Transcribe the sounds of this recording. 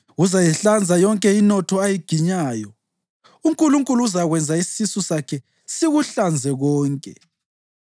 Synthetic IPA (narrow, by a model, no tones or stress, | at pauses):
uzajɛɬand͡zʱajɔŋkʼɛinɔtʰɔajiɡ̥ʱiɲaːjɔ | uŋkʼuluŋkʼuluuzaɣwɛnd͡zʱaisisusakʰɛ | siɣuɬand͡zʱɛɣɔːŋkʼɛ